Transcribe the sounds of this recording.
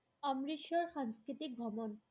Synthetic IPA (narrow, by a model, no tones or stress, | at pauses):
ɔmɾiʃoɾʃaŋskɾit̪ik̚ɡʱɔmon